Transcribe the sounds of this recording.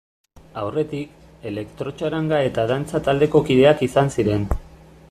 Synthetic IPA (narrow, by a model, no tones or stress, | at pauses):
awre̞t̪ik | e̞le̞kt̪ɾo̞t͡ʃaɾaŋɡae̞t̪aðant͡sat̪ald̪e̞ko̞kiðe̞akisansiɾe̞n